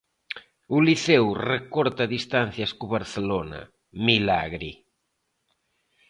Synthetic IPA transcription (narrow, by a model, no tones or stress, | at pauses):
uliθɛwrekɔɾt̪aðist̪an̟θjaskuβaɾθelona̰ | mila̰ɣɾi